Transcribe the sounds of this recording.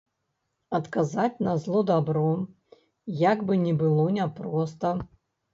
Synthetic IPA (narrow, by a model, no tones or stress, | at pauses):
ɐt̪kazat͡sʲnɐzlˠɔd̪abɾɔ | jaɡbɨnʲɛbɨlˠɔnʲapɾɔst̪ɐ